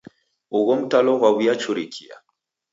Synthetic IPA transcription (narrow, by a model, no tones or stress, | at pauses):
uɣɔmutalɔɣwaβujat͡ʃuɾikʰia̰